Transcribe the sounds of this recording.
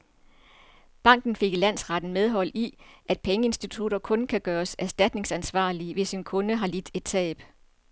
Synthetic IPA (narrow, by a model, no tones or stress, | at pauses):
b̥ɑ̈ŋ̰ɡ̥n̩fe̝ɡ̥ilæn̰sʁɑd̥n̩með̞ˠɦɒ̽l̰iʔæd̥̚pʰeŋəe̝nsd̥it͡sʰuɾ̥ɐkʰɔ̽nkʰæɡ̥ɶːɐsæɐsd̥æd̥ne̝ŋsænsʋɑ̰̈ːliʋe̝sinkʰɔ̽nəɦɑ̈lid̥e̝d̥̚t͡sʰɛ̰ːb̥